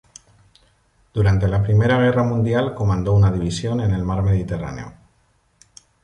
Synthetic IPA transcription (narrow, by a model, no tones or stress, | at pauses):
d̪̥uɾant̪e̞lapɾime̞ɾaɣ̞e̞ramũnd̪jalko̞mãnd̪o̞unaðiβ̞isjo̞ne̞ne̞lmaɾme̞ð̞it̪e̞ra̰ne̞̰o̰